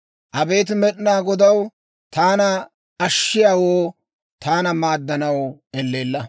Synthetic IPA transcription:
ʔɐbe̞ːt̪̬ɪmɛɗɪnaːɡɔd̪ɐw | t̪aːnɐ | ɐʃːɪjaːwoː | t̪aːnɐmaːd̪ːɐnɐwɛlːeːlːɐ

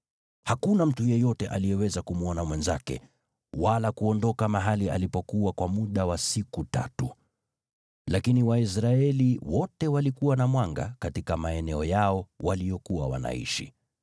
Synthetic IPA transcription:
hakunam̩tujɛjɔtɛʔalijɛwɛzakumuɔnamwɛnzakɛ̰ | walakuɔndɔkamaɦalia̰lipɔkuwakwamuɗawasikuta̰tu | lakiniwais̬ɾaɛliwɔtɛwalikuwanamwaŋɡa̰katikamaɛnɛɔjaɔwalijɔkuwawa̰na̰ḭʃḭ

